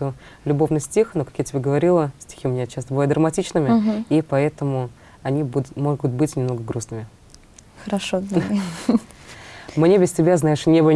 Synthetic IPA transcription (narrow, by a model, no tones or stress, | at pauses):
t̪o | lʲʊbo̞vnɨjsʲtʲixno̞kḁkjatʲɪbʲeɡəvɐɾʲilˠəsʲtʲɪ̥xʲiʊmʲɪnʲat͡ɕast̪əbɨvljd̪ɾəmɐtʲit͡ɕnɨmʲɪipɐɛt̪əmʊ | ɐnʲibumoɡʊt̪̚bɨtʲnʲɪmno̞ɡəɡɾusnɨmʲɪ | xəɾɐʂo | mnʲebʲɪsʲtʲɪbʲaznajɪʂnʲebɨ